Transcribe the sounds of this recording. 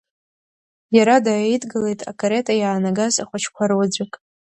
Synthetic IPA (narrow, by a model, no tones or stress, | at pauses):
jaɾadaːedɡɨle̞jtʼa̰kʼaɾetʼajaːnaɡazaχʷat͡ʃʰkʷʰarwad͡zʷakʼ